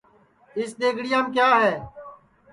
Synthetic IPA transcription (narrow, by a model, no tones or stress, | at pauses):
ɪsɗ̪eːɡɽɪjãːmkjaːɦɛː